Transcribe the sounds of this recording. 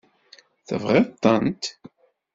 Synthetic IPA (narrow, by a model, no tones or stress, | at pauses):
θə̰vʁɪðt̪ˤːənt̪